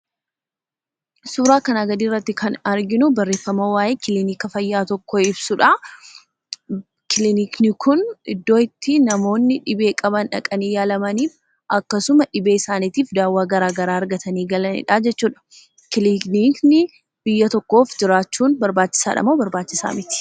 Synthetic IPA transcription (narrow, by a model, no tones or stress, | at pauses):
suːɾaːkɐnɐɡɐd̪iːrːɐt̪ːɪkʰɐnɐɾɡɪnʊbɐrːe̞ːfːɐmɐwaːjʔeːkɪlɪniːkɐfɐjːaːt̪ɔkːɔɪbsʊᶑa | kɪlɪniːknɪkʰʊnʔɪd̪ːo̞ːɪt̪ːɪnɐmo̞ːnːɪᶑɪbe̞ːkʼɐbɐnᶑɐkʼɐniːjaːlɐmɐniːf | ʔɐkːɐsʊmɐᶑɪbeːɪsaːniːt̪iːfd̪aːwːaːɡɐɾaːɡɐɾaːɐɾɡɐt̪ɐniːɡɐlɐnɪ̰ᶑaːd͡ʒɛt͡ʃːuːᶑɐ̥ | kɪlikniːknɪ | b̥ɪjːɐt̪ɔkːo̞ːfd͡ʒɪɾaːt͡ʃːuːnbɐɾbaːt͡ʃːɪ̥saːᶑɐ̰moːbɐɾbaːt͡ʃːɪsa̰ːmɪt̪ɪ̥